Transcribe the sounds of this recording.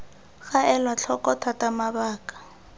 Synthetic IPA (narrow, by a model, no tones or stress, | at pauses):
ɣaɛlwat͡ɬʰɔkɔtʰatamabaːkḁ